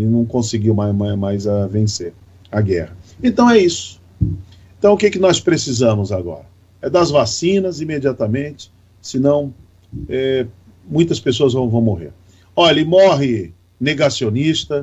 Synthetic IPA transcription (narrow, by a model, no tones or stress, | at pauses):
ɪnɐ̃w̃kõsɪɡiwmamamajzavẽseɾ | aɡɛhɐẽnt̪ɐ̃w̃ɛisʊ̥ | ẽt̪ɐ̃w̃ʊkekɪnɔspɾesizɐ̃mʊzaɡɔ̰ɾɐ | ɛd̪ɐzvasĩnɐzimed͡ʒiat̪ɐmẽnt͡ʃɪ̥ | sɪnɐ̃w̃ | ɛ | mũj̃t̪ɐspesoɐzvɐ̃w̃vɐ̃w̃moɦḛɾ | ɔʎʎɪmɔɦɪ | neɡasionist̪ɐ